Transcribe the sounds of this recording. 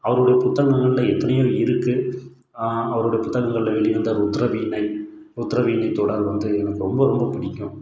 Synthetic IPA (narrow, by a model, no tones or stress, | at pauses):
ɐʋɐɾɯɽɐjɐpʊt̪ːɐŋɡɐŋɡɐɭɪlɐɛt̪ːɐnɐjoːɪɾɯkːɯ | ɐʋɐɾɯɽɐjɐpʊt̪ːɐŋɣɡɐŋɡɐɭɪlɐʋɛɭɪjɪɾɯnd̪aːɾʊt̪ːɾɐʋiːnɐɪ | ʊt̪ːɾɐʋiːnɐɪt̪ːoːɽaːɾʋɐnd̪ɯɛnɐkːɯɾɔmbɐɾɔmbɐpɪɽɪkʲːʊ̃